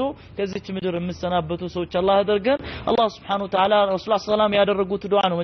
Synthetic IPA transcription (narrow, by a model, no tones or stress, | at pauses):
o | kʰəzːiat͡ʃːɪmɨd̪ɨɾjɛmːɨsənabːət̪ʰusəwot͡ʃːalːahd̪əɾɡənʔa̰lˤːɑhsubħanəwət̪ʰəʕalaɾəsulasəlamjad̪ərːəɡut̪d̪oʕanəwm